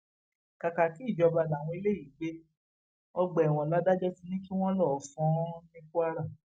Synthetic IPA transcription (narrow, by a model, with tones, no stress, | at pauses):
ka˨ka˨ki˨˦i˦˨d͡ʒɔ˧ba˧da˨w̃ɔ̃˧i˧˦le˦ji˨ɡ͡be˦ | ɔ˧ɡ͡bɛ˨w̃ɔ̃˨la˨˦da˦d͡ʒɔ˦ti˧nĩ˦ki˦w̃ɔ̃˦lɔ˦˨fɔ̃˦nĩ˦ku˦a˦ɾa˦˨